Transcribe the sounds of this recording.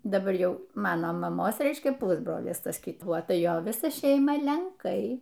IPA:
dɐˈbɐr ˈjɛʊ ˈmɑːnoː mɐˈmoːs ˈrʲɛɪʃʲkʲɛ ˈpʊzbroːlʲɪs ˈtɐs kʲɪˈtuɔ ˈtɐ ˈjoː ˈʋʲɪsɐ ˈʃʲɛɪmɐ lʲɛŋˈkɐɪ

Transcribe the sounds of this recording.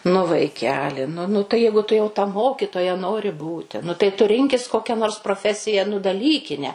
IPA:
nʊ ʋɐɪˈkʲæːlʲɪ nʊ ˈnʊ tɐɪ ˈjɛɪɡʊ tʊ jɛʊ tɐ ˈmoːkʲɪtoːjɛ ˈnoːrʲɪ ˈbuːtʲɪ nʊ tɐɪ ˈtʊ ˈrʲɪŋʲkʲɪs ˈkoːkʲɛ noːrs proːˈfʲæːsʲɪjɛ nʊ dɐˈlʲiːkʲɪnʲɛ

